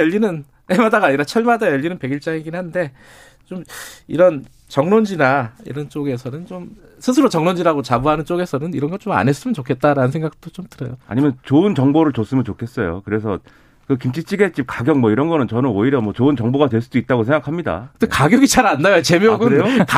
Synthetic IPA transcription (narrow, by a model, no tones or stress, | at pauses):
ʌʎːinɯn | emadaɡaːɲiɾat͡ɕʰʌɭmadajʌʎːinɯnpe̞ɡiɭt͡ɕ͈aŋeɡinhannde̞ | t͡ɕomiɾʌn | t͡ɕʌŋnond͡ʑinaḭɾʌnt͡ɕ͈oɡe̞sʰʌnɯnt͡ɕom | sʰɯs̬ʰɯɾot͡ɕʌŋnond͡ʑiɾaɡot͡ɕabuɦanɯnt͡ɕ͈oɡe̞sʰʌnɯniɾʌnɡʌt͡ɕoma̰nes͈ɯmʌnt͡ɕokʰe̞t̚t͈aɾanɯnsʰe̞ŋɡak̚t͈ot͡ɕomtɯɾʌjoa̰ɲimjʌnt͡ɕoɯnt͡ɕʌŋboɾɯɭt͡ɕos͈ɯmjʌnt͡ɕokʰe̞s͈ʌjo̰kɯɾe̞sʰʌ | kɯkimt͡ɕʰit͡ɕ͈ʰiɡe̞t͡ɕ͈ip̚kaɡjʌŋmwʌiɾʌnɡʌnɯnt͡ɕʌnɯnoiɾjʌmwʌt͡ɕoɯnt͡ɕʌŋboɡadwe̞ɭs͈udoit̚t͈aɡosʰe̞ŋɡakʰamɲida̰ɯdekaɡjʌɡit͡ɕaɾandajot͡ɕe̞mjoɡɯnka